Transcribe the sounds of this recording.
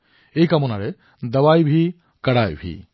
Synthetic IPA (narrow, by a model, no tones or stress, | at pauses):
ejkamɔnaɾe | d̪əwajbʱi | kaɽajbʱḭ